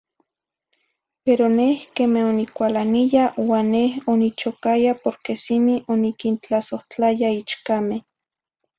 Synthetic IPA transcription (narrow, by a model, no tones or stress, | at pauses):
peɾonehkemehonikʷalanijawaːnːehonit͡ʃokajapoɾkesimiʔonikint͡ɬasoht͡ɬajait͡ʃkameh